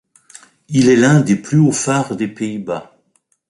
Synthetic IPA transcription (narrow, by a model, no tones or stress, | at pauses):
ilɛlɛ̃d̪eplyofaʁd̪epeiba